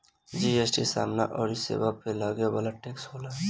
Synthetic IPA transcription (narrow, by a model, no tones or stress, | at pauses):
d͡ʒiesʈisa̰ːmna̰ʔɔːɾisḛbapʰelaɡjabalaʈekshoːla